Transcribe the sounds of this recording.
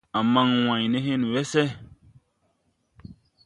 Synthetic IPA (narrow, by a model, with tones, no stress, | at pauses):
a˨mã˦ŋw̃ã˨ɲ˨nẽ˦ɦẽ˦nũ˨wɛ˦sɛ˦